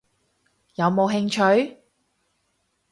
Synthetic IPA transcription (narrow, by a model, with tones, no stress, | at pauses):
jɐ˨˧wmo˨˧wɦɪ˧ŋt͡ʃʰɵ˨˥ɥ